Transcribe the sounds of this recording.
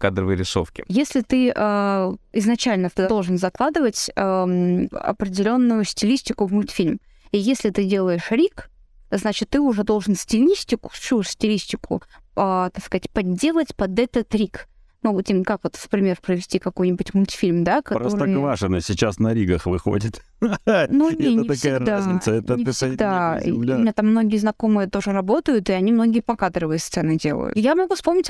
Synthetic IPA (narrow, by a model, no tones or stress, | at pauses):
kad̪ɾəvɨjɾʲɪso̰fkʲɪ̰jesʲlʲɪt̪ɨəːɪznɐt͡ɕælʲnəfd̪o̞lˠʐɨnzɐklˠad̪ɨvətʲə | ɐ̰pɾʲɪdʲɪlʲo̞nːʊjʊsʲtʲɪlʲisʲtʲɪkʊvmʊlʲt̪fʲilʲm | ijesʲlʲɪt̪ɨdʲelˠəjɪʂɾʲik | znat͡ɕɪt̪ːɨʊʐɛd̪o̞lˠʐɨnsʲtʲɪlʲisʲtʲɪkʊ̥susʲtʲɪlʲisʲtʲɪkʊ̰ət̪akskəzatʲpɐdʲːe̞lˠətʲpɐd̪ɛt̪ət̪ɾʲik | noɡʊt̪ʲimkakvo̞t̪fpɾʲɪmʲerpɾəvʲɪsʲtʲikɐko̞jnʲɪbʊtʲmʊlʲtʲfʲilʲmd̪akɐɾsoɾvaʂɨnəsʲɪt͡ɕasnɐɾʲiɡəxvɨxo̰dʲɪt̪ | nuneɛnəɪt̪ɐskaɪjɡd̪asɛənʲɪsɡd̪aḭʊmɪnʲat̪amːno̞ɡʲɪəznɐko̞mɨjət̪o̞ʐɨɾɐbo̞t̪əjʊt̪ɨɐnʲimno̞ɡʲɪjəpɐkad̪ɾɨvɨjəst̪sɛnɨdʲe̞lˠə̰jʊ̰t̪jamɐɡufspo̞mnʲɪtʲ